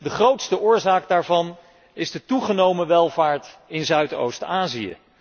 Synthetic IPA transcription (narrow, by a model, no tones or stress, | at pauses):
dəχrowtstəʔʊːɹzaːk̚daːɹvɑn | ɪzdətuχənowməʋɛlˠvaːɹtɪnzœɥto̰wstaːziə̰